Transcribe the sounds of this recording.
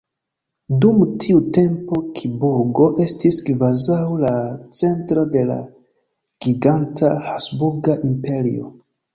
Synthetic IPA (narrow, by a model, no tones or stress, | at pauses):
dumtʰiute̞mpo̞kʰibuɾɡo̞ʔe̞stiskvazawlat͡se̞ntɾode̞la̰ | ɡ̥iɡantʰahasbuɾɡaʔimpe̞ɾḭo̞̰